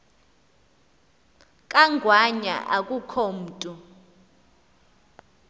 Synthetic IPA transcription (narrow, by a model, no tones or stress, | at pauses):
kʼaŋɡʱwaɲa̰ʔakʼukʰɔm̩ːtʼu